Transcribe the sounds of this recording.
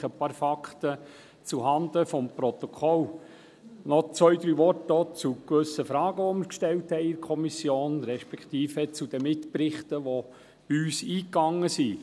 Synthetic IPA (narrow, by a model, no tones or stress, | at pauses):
χəpɑːɾfɑkχt̪ə | t͡suɦɑnd̪əfɔmpɾɔt̪ɔkʰɔl | nɔt͡sʋœɥd̪ɾyːʋɔrtot͡sukʋɵsːəfɾɑːɡ̥əʋɔmɪɾkʃtɛlthɛɪɪkʰɔmisjoːnɾɛʃpɛkχt̪iːfət͡sud̥̪əmɪtpɾɪχt̪əʋo | b̥iyːsiːkːɑŋːəsi